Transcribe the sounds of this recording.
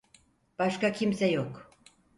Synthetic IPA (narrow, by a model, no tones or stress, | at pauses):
b̥ɑʃkɑkimsæjok